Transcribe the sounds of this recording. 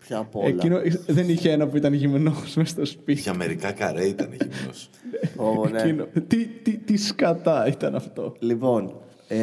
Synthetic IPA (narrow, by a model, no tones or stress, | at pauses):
pçɐpoelinoiðeniçeenɐpuit̪ɐnʝimnosmest̪ospit̪ɐmeɾikɐkɐɾeit̪ɐneʝḭmno̰s | neoninot̪it̪it̪iskɐt̪ɐit̪ɐnɐft̪o̞lipon